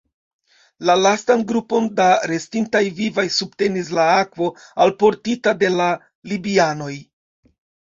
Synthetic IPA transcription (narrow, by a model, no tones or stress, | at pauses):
lalastanɡɾupo̞ndaɾe̞stintajvivajsubte̞nis̬laakvo̞alpo̞ɾtitade̞la | libiano̞j